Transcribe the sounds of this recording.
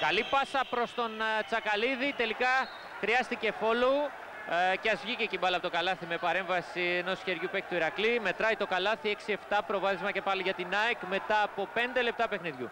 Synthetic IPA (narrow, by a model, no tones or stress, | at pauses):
kɐlipɐsɐpɾo̞st̪o̞nt͡sɐkɐliðit̪e̞likɐ | xɾiɐst̪ice̞fo̞lo | ceɐzvʝicecimbɐlɐpot̪okɐlɐθime̞pɐɾe̞ɱvɐsieno̞sçe̞ɾʝupekt̪uiɾɐklime̞t̪ɾɐit̪o̞kɐlɐθie̞ksie̞ft̪ɐpɾo̞vɐθizmɐce̞pɐliʝɐt̪inɐekme̞t̪ɐːpo̞pe̞nd̪e̞le̞p̚t̪ɐpe̞xniðʝṵ